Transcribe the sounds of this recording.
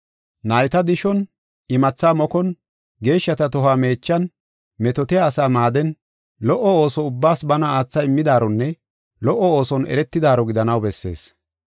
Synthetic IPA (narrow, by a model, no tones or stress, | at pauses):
nɐjt̪ɐd̪ɪʃɔn | ɪmɐt͡sːaːmɔkɔn | ɡe̞ːʃːɐt̪ɐt̪ɔɦaːme̞ːt͡ʃːɐn | mɛt̪ɔt̪ɪjaːsaːmaːd̪ɛn | lɔʔɔoːsɔʊbːaːsbɐnɐaːt͡sːɐɪmːɪd̪aːɾɔnːɛ | lɔʔːɔo̞ːsɔnɛ̰ɾɛt̪ːɪd̪aːɾɔɡɪd̪ɐnɐwbɛsːe̞̰ːs